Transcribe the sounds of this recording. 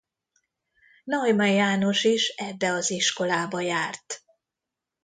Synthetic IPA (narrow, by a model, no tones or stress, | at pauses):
nɒjmɛjaːno̞ʃiʃɛbːɛɒziʃko̞laːbɒjaːrt̪